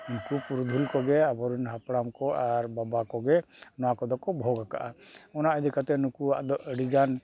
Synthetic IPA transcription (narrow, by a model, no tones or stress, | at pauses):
nukupuɾud̪ʱulkɔɡɛabɔɾunɦapɽamkɔʔaɾbabakɔɡɛnɔwakɔd̪ɔkɔbʱɔɡaka̰ʔaɔnaʔəd̪ikat̪ɛnukua̰ʔd̪ɔʔəɽiɡan